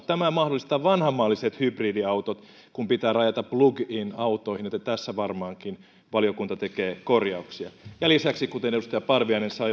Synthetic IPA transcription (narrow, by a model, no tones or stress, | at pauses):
t̪æmæmɑhdolːˑist̪ɑːʋɑnhɑmːɑːlːiset̪hybriːdiɑut̪ot̪ | kumpit̪æːrɑjɑt̪ɑpluɡinɑut̪ˑoihinet̪ːæt̪æsːæʋɑrmɑːŋkin | ʋɑljokunt̪ɑt̪ekeːkorjɑuksiɑjɑlisæksikut̪enedust̪ɑjɑpɑrʋiɑinensɑi